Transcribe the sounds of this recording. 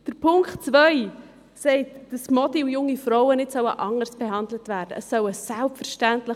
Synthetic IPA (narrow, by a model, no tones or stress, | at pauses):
d̥əɾpʰʊŋktt͡svœʏ | sɛɪtd̥əsmɔdijʊŋifɾɔwənɪtsœwəʔɑŋəsb̥ɛɦɑndlətvæːɾd̥əəsːœwəsælpfəɾʃtæntlə